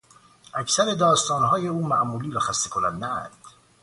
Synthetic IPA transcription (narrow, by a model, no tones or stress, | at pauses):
ʔæcsæɾe̞d̪ɒːst̪ɒːnɦɒːje̞uːmæʔmuːliːɾæxæst̪ekʰonænd̪æ̰nd̪̥